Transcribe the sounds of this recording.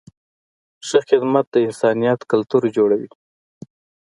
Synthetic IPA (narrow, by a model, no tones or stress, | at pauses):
ʃəxɪd̪mat̪̚d̪əɪnsɑnijɑt̪kalt̪uɾd͡ʒoɽawi